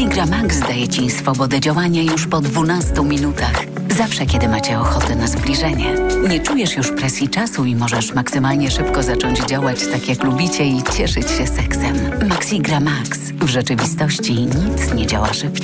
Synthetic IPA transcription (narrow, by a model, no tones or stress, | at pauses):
iɡɾamakzd̪ajɛt͡ɕisfɔbɔd̪ɛd͡ʑawaɲajuʂpɔd̪vunast̪umʲinut̪ax | zafʂɛkʲɛd̪ɘmat͡ɕɛɔxɔt̪ɛnazblʲiʐɛɲɛ̰ɲɛt͡ʂujɛʂjuʂpɾɛsʲjit͡ʂasuimɔʐɛʂmaksɘmalɲɛʂɘpkɔzat͡ʂɔɲd͡ʑd͡ʑawat͡ɕt̪akʲjaklubʲit͡ɕɛit͡ɕɛʂɘt͡ɕɕɛsɛksɛmmaksiɡɾamaks | vʐɛt͡ʂɘvʲist̪ɔɕt͡ɕiɲit̚t̪sɲɛd͡ʑa̰wa̰ʂɨp